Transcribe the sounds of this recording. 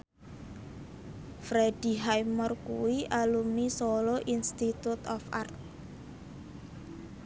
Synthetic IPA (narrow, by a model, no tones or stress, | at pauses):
fɾed̥i̤ɦajmərkuwiʔalumnisoloʔinst̪it̪ut̪ɔfa̰rt̪̚